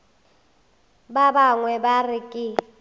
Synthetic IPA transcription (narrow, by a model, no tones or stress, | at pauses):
babaŋwɛbarikʼɪ